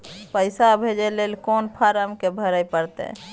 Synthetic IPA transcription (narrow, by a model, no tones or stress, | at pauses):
pəɪsabʱed͡ʒelelkonpʰaɾəmkebʱəɾəjpəɾt̪ɛ̰